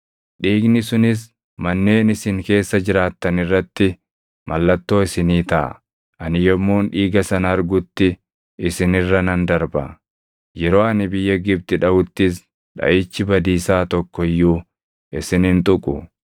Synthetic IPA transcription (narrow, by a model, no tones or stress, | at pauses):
ᶑiːɡnɪsʊnɪs̬ | mɐnːe̞ːnɪsɪŋke̞ːsːɐd͡ʒɪɾaːt̪ːɐnɪrːɐt̪ːɪ | mʔɐlːɐt̪ːo̞ːɪsɪniːt̪ɐʔɐ̰ | ʔɐnɪjɔmːoːnᶑiːɡɐsɐnɐːɾɡʊt̪ːɪ | ɪsɪnɪrːɐnɐnd̪ɐɾbɐ̰ | jɛɾo̞ːɐnɪbɪjːɐɡɪb̚t̪ɪᶑɐʔʊt̪ːɪs | ᶑɐ̰ʔɪt͡ʃːɪbɐd̪iːsaːt̪ɔkːɔɪjːuː | ɪsɪnɪnt̪ʼʊkʼʊ